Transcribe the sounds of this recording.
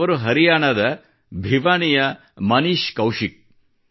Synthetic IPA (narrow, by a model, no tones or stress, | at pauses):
ɐɾuɦɐɾijaːɳɐd̪ɐ | bʱiʋaːɳijɐ | mɐniːʃkɐwʂik̚